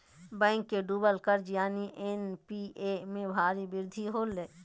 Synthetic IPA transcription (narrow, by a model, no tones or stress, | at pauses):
bɛ̃ːŋkːeɖuːbəlkəɾd͡ʒjaːniʔenpiemẽbʱaːɾibɪɾd̪ʱiɦoːlːeː